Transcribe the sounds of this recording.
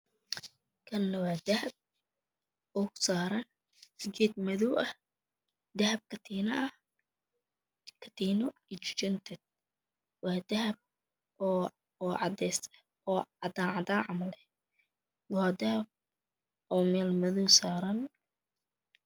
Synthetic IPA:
kʰɐnːɐwɑːd̪ɐhɐb̚ | ɔːkʰʊ̥saːɾɐn | sɡɛːd̪̚mɐðɔwʔɐh | d̪ɐhɐb̚kʰɐt̪ʰiːnɐʔɐh | kʰɐ̥t̪ʰiːnɔɪt͡ʃt͡ʃɪnt̪ʰɛd̪̚ | wɑːd̪ɐɦɐb̚ | ɔːʕɑd̪ɛːst̪ʰɐ̥ | ɔːɑd̪aːʕɑd̪aːʕɑmɐlɛ | wɔɐd̪ɐhɐb̚ | ɔːmɛːlmɐðɔwsaːɾɐn

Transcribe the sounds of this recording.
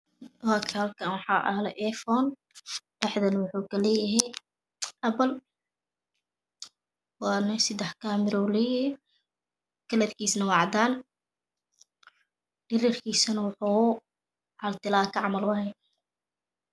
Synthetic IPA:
wakʰhɐlkʰɐnwɑħɑːʔɐ̰hlɛ̰ʔɛfɔːn | ɖ̥ɛħðɐnɐwʊħuːkʰɐlɛːjɐɦɛj | ʔɐpɐl | wɑːnɐsɪd̪ɛħkʰaːmɪɾɔwlɛːjɪhɛ | kʰɐlɐd̪kʰiːsnɐwɑʕɑd̪aːn | ɖ̥ɪɾirkʰiːsɐnɐwʊħuː | ʕɐlt̪ʰɪlaːkʰɐʕɑmɐlwɑɦɛ

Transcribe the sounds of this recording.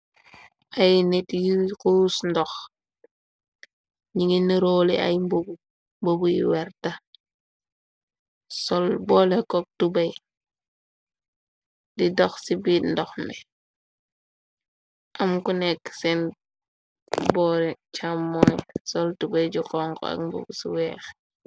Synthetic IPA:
ʔajnetjikuːsndɔx | ɲiŋiniɾolia̰jmbub | mbobujḭwɛɾta | sɔlbɔːlekɔk̚tubɐj | didɔxsibit̚ndɔxnɛ | ʔamkunɛksɛn | bɔɾɛt͡ʃʰamːɔjsɔltubajd͡ʒukɔŋkɔ̰a̰k̚mbṵbusḭwɛx

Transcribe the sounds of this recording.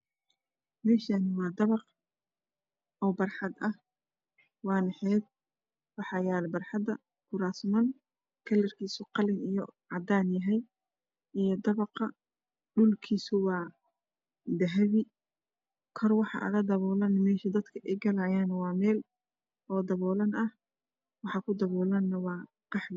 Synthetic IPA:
mɛːʃanɪwɑːd̪ɐβɑq | ʔɔːbɐrħɑd̪ɐh | wɑːnɛħɛːd̪̚ | wɑħɑjaːlbɐrħɑd̪ɐ | kʰʊɾaːsmɐn | kʰɐlɐrkʰiːsʊqɑlɪnijɔʕɑd̪aːnjɐɦɛj | ʔijd̪ɐβɑqɐ | ɖʊlkʰiːsʊwɑː | d̪ɐɦɐβɪ | kʰɔrwɑħɑ̰ʔɐ̰ɣɐd̪ɐβɔːlɐnmɛːʃɐd̪ɐd̪kʰɐʔɛjɡɐlaːjaːnɐwɑːmɛːl | ɔːd̪ɐβɔːlɐnɐh | wɑħɑkʰʊd̪ɐβɔːlɐnːɐwɑː | qɑħd

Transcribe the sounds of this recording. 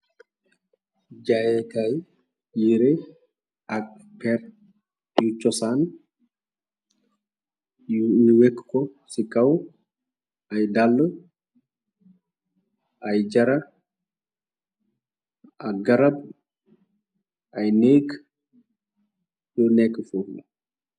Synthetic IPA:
d͡ʒajɛtaj | jiɾɛ | ak | pɛɾ | jut͡ʃːɔsan | iwekːkɔsikaw | ajdalːə | ʔajd͡ʒɐɾa | aɡɐɾab̚ | ʔajneːk | jɔnɛkːfuɾdɔ

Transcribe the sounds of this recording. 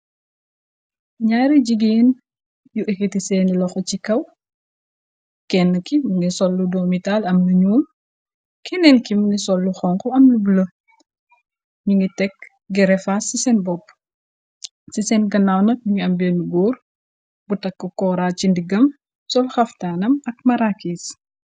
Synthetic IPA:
ɲaːɾiɟiɡeːn | juʔɛkːitisɛːnilɔxɔt͡ʃikɐw | kɛnːəkimuŋɡisɔlːudɔːmitaːlɐmnuɲuːm | kʰɛnɛnkimnisɔlːuxɔŋkɔɐmnubulɐ | ɲuŋɡitɛk | ɡɛɾɛfasisɛnbɔpː | sisɛnɡɐnawnɐk̚juŋiɐmbɛːnuɡɔːr | butɐkːəkɔɾaːt͡ʃindiɡɐm | sɔlxɐftaːnɐmɐk̚mɐɾakiːs

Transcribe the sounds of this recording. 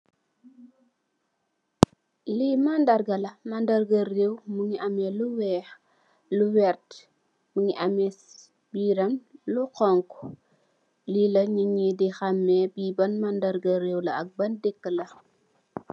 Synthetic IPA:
limandɐɾɡɐlɐmɐndɐrɡɐrewmuŋiʔɐmɛluwɛːx | luwɛrt | muŋiʔɐmɛs | biːɾɐnluqɔŋku | lilɐɲuɲidixɐmːɛbiːbɐnmandɐɾɡɐɾewlɐɐk̚bɐndɛkːəlɐ

